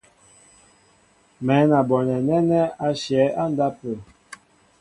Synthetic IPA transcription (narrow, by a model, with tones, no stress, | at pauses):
mɛ˨˦na˨bɔ˨nɛ˨nɛ˦nɛ˦a˦ʃjɛ˨˦a˦n˦da˦pə˨